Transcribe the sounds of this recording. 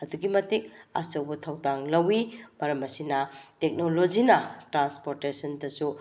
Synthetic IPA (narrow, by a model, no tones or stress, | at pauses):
ɐduɡimɐtik̚a̰sɐwbɐtʰɐwdaŋlɐwimɐɾɐmɐsinɐtek̚nolod͡ʒinɐtɾanspoɾtesɐndɐsu